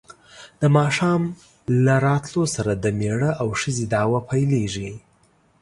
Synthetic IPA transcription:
d̪̥əmɑʃɑm | laɾɑt̪losaɾad̪əmeɽəʔawʂəzed̪ɑwapʰajleʐi

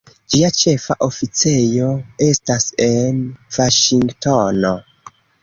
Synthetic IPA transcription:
d͡ʒiat͡ʃe̞fa̰ʔofit͡se̞jo̞e̞stase̞nvaʃiŋɡtono

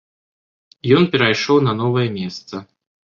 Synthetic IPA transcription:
jɔnpʲɛɾajʂɔwnɐnɔvɐjɛmʲɛst̪sɐ

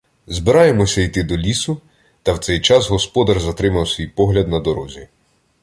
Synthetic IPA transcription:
zbɪɾɑjemɔsʲɐijt̪ɪd̪ɔlʲisʊ | t̪ɐwt̪sɛjt͡ʃɑsɦɔspɔd̪ɐrzɐt̪ɾɪmɐwsʲʋʲijpɔɦlʲɐd̪nɐd̪ɔɾɔzʲi

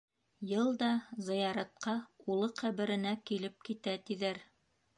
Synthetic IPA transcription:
jɤlˠd̪ɑzɤ̆jɑɾɑt̪̚qɑulˠɤqæβɘ̆ɾɘ̆nækilɘp̚kit̪æt̪iðæɾ

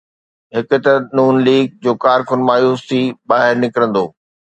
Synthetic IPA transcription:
ɦɪkʊ̆t̪ɐnuːnliːɡ̚d͡ʑoːkaːɾkʊnmaːjuːsiɓaːɦɪɾnɪkɾə̃nd̪oː

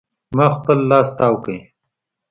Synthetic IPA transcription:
maxpəlːaːst̪aːwkə̃

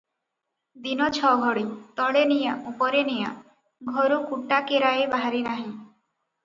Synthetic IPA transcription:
d̪inɔt͡ʃʰɔɡʱɔɽit̪ɔɭenijaʔupɔɾenija̰ | ɡʱɔɾukuʈakeɾaebaɦaɾinaɦĩ

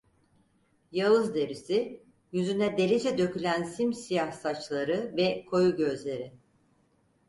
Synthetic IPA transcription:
jalɯzd̪e̞ɾisi | jyzynɛd̪e̞lʲed͡ʒɛd̪ø̞cʰylʲænsimsijahsat͡ʃlˠaɾɯvɛkʰo̞juɟø̞zlʲe̞ɾɪ

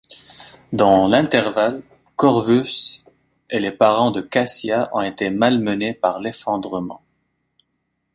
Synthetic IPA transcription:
d̪ɑ̃lɛ̃t̪ɛʁval | kɔʁvys | elepaʁɑ̃d̪əkasjaʔɔ̰̃et̪emalmənepaʁlefɑ̃d̪ʁəmɑ̰̃

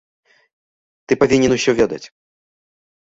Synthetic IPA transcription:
t̪ɨpavʲinʲːɛnuɕʲɔvʲɛd̪ɐ̰t͡sʲ

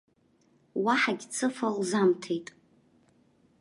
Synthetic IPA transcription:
waħaɡʲt͡sʰɨfalzamtʰejtʼ

